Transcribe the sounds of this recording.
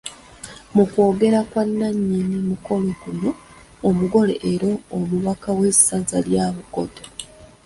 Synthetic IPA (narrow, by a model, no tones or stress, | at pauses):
mukwo̞ːɡe̞ɾakwanːaɲːinimuko̞lokuno̞ː | muɡo̞leʔeɾo̞ːmuβakawe̞sazaljaːβuko̞to